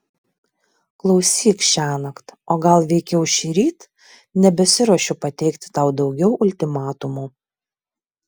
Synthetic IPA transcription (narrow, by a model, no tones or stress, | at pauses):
klˠɒʊsʲiːkʃʲæːnɐkt̪oːɡɐlˠʋʲɛɪkʲɛʊʃʲɪɾʲiːt̪ | nʲɛbʲɛsʲɪɾoɔʃʲʊpɐt̪ʲɛɪkt̪ʲɪ̥t̪ɑʊd̪ɒʊɡʲɛʊʔʊlʲt̪ʲɪmɑːt̪ʊmuː